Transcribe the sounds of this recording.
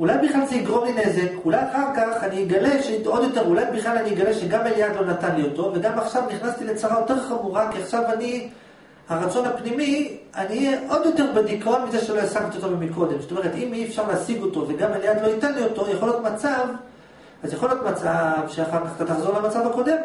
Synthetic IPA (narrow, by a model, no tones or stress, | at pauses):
ulajbiχlalzeiɡʁo̞mline̞ze̞kulajaχaʁkaχaniiɡale̞ʃeo̞d̪jo̞te̞ʁulajbiχlalaniiɡaleʃeɡamaljad̪lo̞nat̪anlio̞t̪o̞ve̞ɡamaχʃavniχnast̪ile̞t͡saʁajo̞te̞ʁχamuʁakiaχʃavani | haʁat͡so̞nhapnimianiːɛʔo̞d̪jo̞t̪e̞ʁbedikonmizeʃelo̞jasaɡt̪iot̪ovemiko̞d̪e̞msot̪ome̞ʁet̪imiefʃaʁleasiɡo̞t̪o̞ve̞ɡamaljad̪lo̞jit̪anlio̞t̪o̞jaχljot̪mat͡sav | azjaχo̞ljo̞tmat͡savʃeaχaʁkaχt̪at̪aχzo̞ʁlemat͡savhako̞d̪e̞m